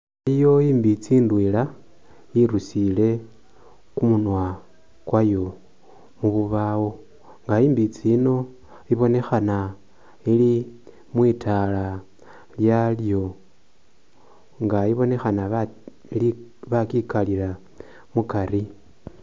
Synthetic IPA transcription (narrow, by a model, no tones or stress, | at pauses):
aijo̞iːmbit͡siːndwila | iɾusile̞ | kumunwa | kwajo̞ | muβuβawo̞ | ŋɡaiːmbit͡sino̞ | iβo̞ne̞xana | ili | mwiːtala | ljaljo̞ | ŋɡaiβo̞ne̞xana | liβakikalila | mukaɾi